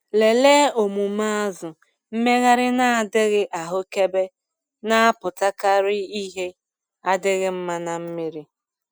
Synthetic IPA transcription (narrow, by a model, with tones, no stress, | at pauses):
le˨leː˦o˨mu˨ma˦a˦zʊ˨ | m̩˦me˦ɣa˦ɾɪ˦na˦a˨dɪ˦ɣɪ˦ʔa˨ɦʊ˦ke˦be˦ | na˦a˦pʊ˨ta˦ka˦ɾɪ˦i˦ɦe˦ | a˦dɪ˦ɣɪ˦m̩˦ma˦na˨m̩˦mi˦ɾi˦